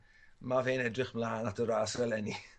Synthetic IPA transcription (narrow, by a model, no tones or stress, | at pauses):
maveːnɛdrɪχmlaːnatʰəɾaːsɛlɛni